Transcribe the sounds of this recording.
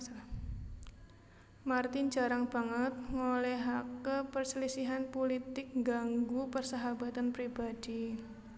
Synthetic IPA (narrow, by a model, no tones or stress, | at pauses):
mart̪ɪnd͡ʒa̤ɾaŋb̥a̤ŋət̪̚ŋolɛɦakəpərslisiɦanpolit̪ɪk̚ŋɡaŋɡupərsaɦabat̪anpɾibad̥i